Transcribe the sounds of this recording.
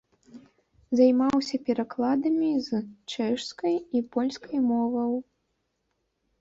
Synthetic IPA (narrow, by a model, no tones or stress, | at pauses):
zajmawsʲɐpʲɛɾaklˠad̪ɐmʲizt͡ʂɛʂskɐjipɔlʲskɐjmɔvɐw